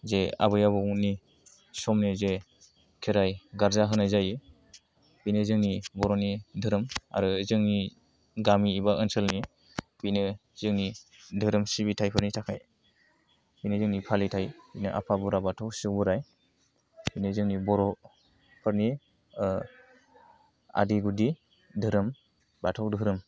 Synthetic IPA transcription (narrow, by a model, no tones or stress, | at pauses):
zea̰bɯjaβɔni | sɔmnize | kʰeɾajɡaɾzaɦɯnajzajɯ | b̥inɯzɯŋnibɔɾɔnidʱɯɾɯma̰ɾɯzɯŋni | ɡamiːbaʔɯnsəlni | binɯ | zɯŋnidʱɯɾɯmsibitʰajpʰɯɾnitʰakʰaj | binɯzɯŋnipʰalitʰajbinɯʔa̰pʰabuɾabatʰɔwsɯwbɯɾaj | binɯzɯŋnibɔɾɔ | pʰɯɾni | a̰diɡudi | dʱɯɾɯm | batʰawdɯɾɯm